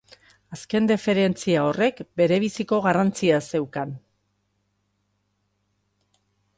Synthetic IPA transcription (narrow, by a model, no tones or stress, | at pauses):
aske̞nd̪efe̞ɾe̞nt͡siao̞re̞kbe̞ɾe̞β̞isiko̞ɣarant͡siase̞wkan